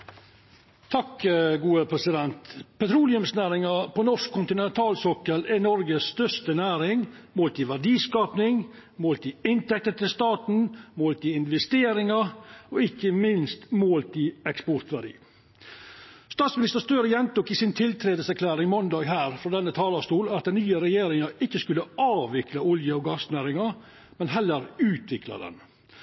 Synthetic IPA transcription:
t̪ʰɑkəɡuːəpʰɾɛsɪd̪ɛnt̪pʰɛt̪ʰɾuːlɪʉmsnæːɾɪŋɑpʰɔnɔʂkʰːʊnt̪ɪnɛnt̪ʰɑːlsɔkəlɛnɔɾɡəsːt̪œʂt̪ənæːɾɪŋmoːlt̪ɪʋæɖiːskɑːpnɪŋ | moːlt̪ɪɪnt̪ɛk̚t̪ət̪ʰɪlst̪ɑːt̪n̩moːlt̪ɪɪnʋɛst̪eːɾɪŋɑɔɪkːəmɪnst̪moːlt̪ɪɛkspɔɾt̪ʋæɖḭː | st̪ɑːt̪smɪnɪst̪əɾst̪øːɾəjɛnt̪ʊkɪsɪnt̪ʰɪlt̪ʰɾeːd̪əsæɾkʰlæːɾɪŋmɔnd̪ɑːɡɦæːɾfɾɔd̪ɛnːət̪ʰɑːlɑst̪uːlɑt̪̚d̪ɛnnyːəɾɛjeːɾɪŋɑɪkːəskʉlːəɑːʋɪklɑʊljəɔɡɑsnæːɾɪŋɑ | mɛnɦɛlːəɾʉːt̪ʰʋɪklɑ̰d̪ɛ̰n

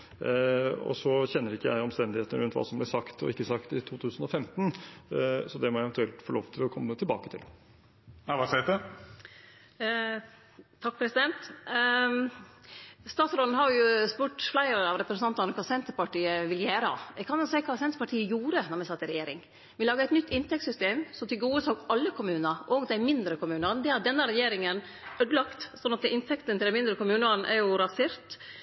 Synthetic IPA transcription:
ɔ̰sɔçɛnːəɾɪkːəjæ̰ɪɔmst̪ɛnd̪ɪheːt̪əəɾʉnt̪ʋɑ̰ːsɔmblɛsɑkt̪ʰɔ̰ɪkːəsɑkt̪ɪt̪ʰuːt̪ʰʉːsn̩ɔfɛmt̪n̩ | sɔd̪ɛmɔæɪɛʋɛnt̪ʉɛlt̪fɔɭoːʋt̪ʰɪlɔkʰɔmːət̪ʰɪlbɑ̰ːkət̪ʰɪ̰l | æʋɑːsɛɪd̪ə | t̪ʰɑk̚ːpʰɾɛsɪd̪ɛnt̪ | st̪ɑːt̪sɾɔlnhɑɾjjʊspuʈflæɪɾɑʋɾɛpɾsnɑnt̪ɑnɔkʰɑːsɛnt̪əpɑʈiːəʋɪljæːɾɑ̰ɛɡkʰɑnɑsæɪkʰɑːsɛnt̪əɾpɑʈʰiːəjuːɾənɔɾmæɪsɑt̪ːɪɾɛjeːɾɪ̰ŋ | ʋɪlɑːɡəæɪt̪nʏt̪ːɪnt̪ɛk̚t̪sʏst̪eːmsɔmt̪ʰɪlɡuːəsɔɡɑlːəkʰʊmʉːnəɾʔɔɡd̪æɪmɪnd̪ɾəkʰʊmʉːnɑnd̪ɛhɑd̪ɛnːəɾɛjeːɾɪŋən | œd̪lɑkt̪sɔnɑt̪ɪnt̪ʰɛkt̪ənt̪ʰɪlɛmɪnd̪ɾəkʊmʉːnɑnʔæ̰ɾjʊɾɑsɪɾt̪

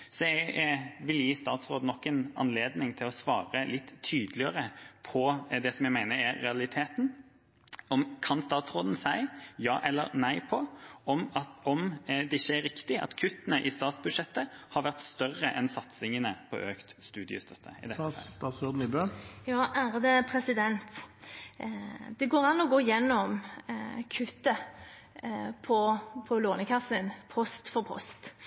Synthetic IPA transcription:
sɔɛɡʋɪljiːst̪ɑːt̪sʁoːd̪ənɔkːɛnɑ̰nleːd̪nɪŋt̪ʰɪlɔsʋɑ̰ːɾəlɪt̪ʰːyːd̪lɪəɾəpʰɔd̪ɛsɔmjæɡmæɪnəɾæɾːɛɑlɪt̪ʰeːt̪n | ɔmkʰɑnst̪ɑːt̪sɾoːd̪n̩sæɪjɑːʔɛlːə̰ɾnæɪpʰɔɔmɑt̪ɔmd̪ɛɪçːəæɾɪkt̪ɪɑ̰t̪kʰʉt̪ːənəʔɪst̪ɑːt̪sbʉd̪ʂɛt̪ːəhɑɾʋæʁt̪st̪œrːəʔɛnsɑt̪sɪŋənəpʰɔ̰ʔøːkt̪st̪ʉːd̪ɪə̰st̪ʰœt̪ʰːəɪ̰d̪ɛt̪ɑːt̪sɔːd̪n̩ɪbøːjɑːʔæːɾd̪ɛpʰɾɛsɪd̪ɛnt̪ | d̪ɛɡoːɾɑnːɔɡoːɪjɛnːɔm | kʰʉt̪ːə | pʰɔpʰɔloːnəkʰɑsənpʰɔst̪fɔɾpʰɔ̰st̪

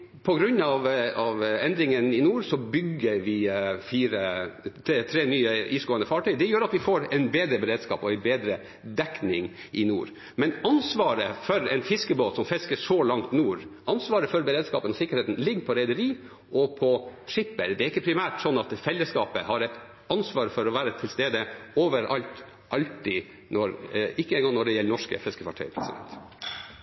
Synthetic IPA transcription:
pʰɔɡɾʉnːɑʋɑʋɛnd̪ɾɪŋənɪnuːɾsɔbʏɡəɾʋɪfiːɾət̪ʰːt̪ʰɾeːnyːəʔiːsɡoːənəfɑːʈyd̪ɛjøːɾɑt̪ʋɪfoːɾɛɪnbeːd̪ɾəbɛɾeːd̪skɑ̰ːpɔɛɪnbeːd̪ɾə | d̪ɛknɪŋ | ʔɪnṵːɾ | mɛnɑnsʋɑːɾəfɔɾɛɪnfɪskəboːt̪sɔmfɪskəʂɔlɑŋt̪nuːɾɑnsʋɑːɾəfɔɾbəɾeːd̪skɑ̰ːpənɔsɪkːəɾeːt̪n̩lɪɡːpʰɔɾɛɪd̪əɾiː | ʔɔpʰɔt̪ʰɾɪpːəɾd̪ɛæɾɪkːəpʰɾɪmæːʈsɔnːɑt̪fɛlːəskɑːpəhɑɾɛɪt̪ | ɑnsʋɑːɾfɔɾɔʋæːɾət̪ʰɪlst̪eːd̪əoːʋəɾʔɑlt̪ | ʔɑlt̪i | nɔɾɪkːəɛːnɡɔŋnɔɖɛjɛlːənɔʂkə̰fɪskəkʰʋɑ̰ʈʰæ̰ɪəpʰɾɛsɪd̪ɛ̰nt̪

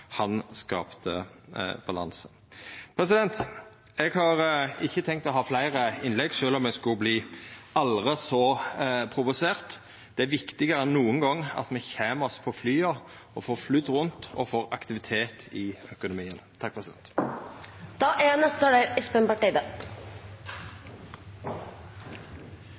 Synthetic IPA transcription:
hɑnskɑ̰ːpt̪əb̥ɑlɑ̰nsə | pʰɾɛsɪd̪ɛnt̪ | ɛɡhɑɾɪçːət̪ʰɛŋk̚t̪ɔɦɑːflæɪɾəɪnlɛɡʂøːlɔmɛskʉbliːɑlʁəsɔpʰɾʊʋʊseːʁt̪ | d̪̥ɛæʋɪkt̪ɪɡəɾənːuːəŋɡɑŋːɑ̰t̪mɛçeːmɔspʰɔflyːɑ | ɔfoːflyd̪ːʁʊnt̪ɔ̰foːʁɑ̰kt̪ɪʋɪt̪ʰeːt̪ʰɪœkʊnʊmiːənt̪ʰɑk̚pʰɾɛsɪd̪ɛ̰nt̪ | d̪̥ɑːʔɛnɛst̪əɔɖeːɾɪspənpɑʈiːd̪ə

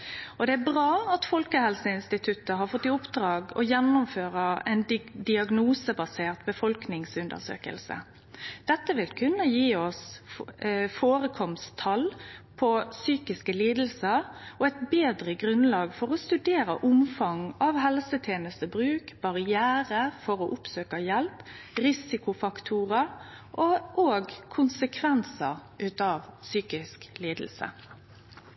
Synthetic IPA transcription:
ɔd̪ɛæɾbʁɑːɑt̪fɔlkəhɛlsəɪnst̪ɪt̪ʰʉt̪ːəɦɑɾfɔt̪ːɪʊpd̪ɾɑːɡɔ̰jɛnːʊmføːɾəɛ̰ɪnd̪ɪɑɡnuːsəbɑseːʁt̪bəfɔlknɪŋsʉnd̪ə̰sø̰ːkə̰lsə̰ | d̪̥ɛt̪ːəʋɪlkʰʉnːəjiːɔs | foːɾəkʰɔmst̪ʰɑlpʰɔsyːkɪskəliːd̪l̩səɾɔæɪt̪beːd̪ʁəɡɾʉnlɑːɡfɔʁɔst̪ʉd̪eːɾə̰ʔʊmfɑŋɑʋɦɛlsət̪ʰjeːnəst̪əbɾʉːkb̥ɑʁɪæːɾəfɔɾɔʔʊpsøːkɑjɛlp | ʁɪsɪkʊfɑkt̪ʰuːʁə | ʔɔʔoːɡkʰʊnsəkʰʋɛnsəʁʔʉːt̪ɑʋsyːkɪskliːd̪l̩sə̰

